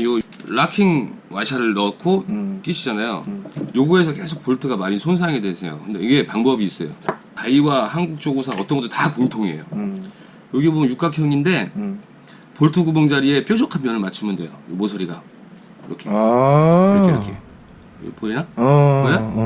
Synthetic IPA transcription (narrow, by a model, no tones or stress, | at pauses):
oɾakʰiŋwaɕʰaɾɯɭnʌkʰok͈iɕʰid͡ʑanajo̰joɡue̞sʰʌk̬esʰok̚p͈oɭtʰɯɡamaɾinsʰons̬ʰaŋe̞dwesʰe̞̰jo̰kɯndeiɡe̞paŋbʌbiːs͈ʌ̰jo̰kaiwahanɡuk̚t͡ɕ͈oɡusʰaʌt͈ʌnɡʌt͈ːotakoŋtʰoŋiḛjo | joɡibomʌnjuk͈akʰjʌŋinde̞ | poɭtʰɯɡuboŋd͡ʑaɾie̞p͈jod͡ʑʰokʰampːjʌnɯɭmat͡ɕʰimɯndwe̞̰jo̰jomosʰʌɾida | ɯɾʌkʰe | keɾkʰḛ | pʰoinaja